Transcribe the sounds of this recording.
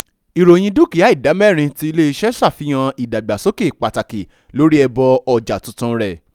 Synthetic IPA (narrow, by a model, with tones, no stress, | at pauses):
i˨ɾo˨j̃ĩ˧du˦˨ki˨ja˨˦i˦˨da˨˦mɛ˦˨ɾ̃ĩ˧ti˦i˧le˦˧ʃɛ˦sa˦˨fi˨˦j̃ã˧i˨da˨ɡ͡ba˨so˨˦ke˦˨k͡pa˨ta˨ki˨ | lo˨˦ɾi˦ɛ˧bɔ˧ɔ˧˨d͡ʒa˨tũ˨˦tũ˧ɾɛ˦˨